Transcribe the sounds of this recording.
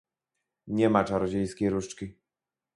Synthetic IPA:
ɲɛmat͡ʂaɾɔd͡ʑejskʲejɾuʂt͡ʂkʲi

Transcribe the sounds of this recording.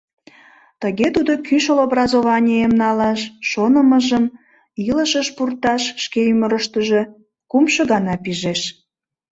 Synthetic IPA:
t̪əɣet̪ud̪okyʃəlobrɑzoβɑnʲijemnɑlɑʃːonəməʒəm | iləʃəʃpurt̪ɑʃːkeyməɾəʃt̪əʒe̽ | kumʃəɣɑnɑpiʒeʃ

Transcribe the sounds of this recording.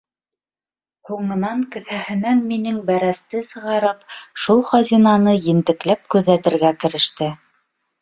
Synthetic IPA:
huɴɤ̆nɑŋkɘ̆θæhɘ̆nænminɘŋbæɾæst̪ɘsɤ̆ʁɑɾɤpʃulˠχɑzinɑnɤjɘ̆nt̪ɘ̆klæp̚kʉðːæt̪ɘ̆ɾɡækɘ̆ɾɘ̆ʃt̪ɘ

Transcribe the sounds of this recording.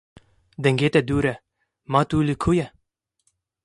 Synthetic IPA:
d̪ɛŋɡeːt̪ɛd̪uːɾɛ | maːt̪uːlikʰujɛ

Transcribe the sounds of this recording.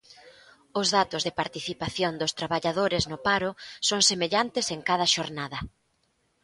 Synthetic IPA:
ʊzðat̪ʊzðɪpaɾt̪iθipaθjond̪ʊst̪ɾaβaʎaðoɾeznʊpaɾʊsoŋsemeʎant̪ɪseŋkað̞ɐʃoɾnaðɐ

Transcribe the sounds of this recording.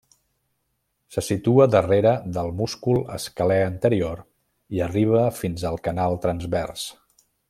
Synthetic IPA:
səsit̪uəðəreɾəðəlˠmuskulˠə̰skəlɛənt̪əɾioɾ | iəriβ̞əfinzəlˠkənalˠt̪ɾənzβɛrs

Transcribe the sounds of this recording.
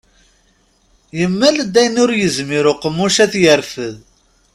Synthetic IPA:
jəmːæləd̪æjnʊɾjəzmiɾʊqəmːuʃæθjəɾfəð

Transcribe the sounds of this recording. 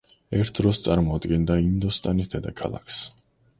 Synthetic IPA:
ɛɾt̪ʰd̪ɾɔst̪sʼaɾmɔad̪ɡɛnd̪aind̪ɔst̪ʼanisd̪ɛd̪akʰalˠa̰kʰs

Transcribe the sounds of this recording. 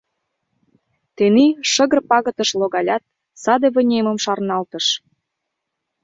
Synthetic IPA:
t̪eneʃə̆ɣə̆rpɑɣə̆t̪əʃloɣɑlʲɑt̪̚ | sɑd̪eβə̆nʲeməmʃɑrnɑlt̪ə̆ʃ

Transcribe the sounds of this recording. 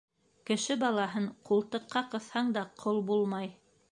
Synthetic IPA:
kɘ̆ʃɘbɑlˠɑɦɤɴqulˠt̪ɤ̆qːɑqɤ̆θhɑɴd̪ɑqʰolˠbulˠmɑj

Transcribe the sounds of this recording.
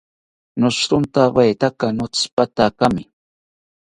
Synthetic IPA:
nʊʃɾʊnt̪awajt̪akanʊt͡spat̪akamɪ

